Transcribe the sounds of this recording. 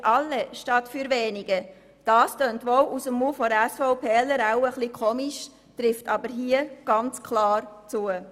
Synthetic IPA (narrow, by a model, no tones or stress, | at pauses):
ʔɑlːəʃtɑtfyɾʋeːniɡ̥ə | d̥ɑːstøːntʋowʔusəmːufɔɾæsfɔʊpʰɛːləɾaʊəχlikʰɔːmiʃ | tɾɪftʰɑbəɾɦiəɡ̥ɑnt͡skʰlɑːɾt͡suə